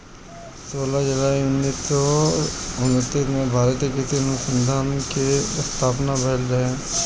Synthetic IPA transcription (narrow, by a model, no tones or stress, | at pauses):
soːlad͡ʒʊlaːiʊnːiːsɔ | ʊnət̪ːismẽbʱaːɾət̪ekɪsiɐnʊksə̃nd̪ʱaːnkest̪ʰaːpnabɛːlɾɐɦẽː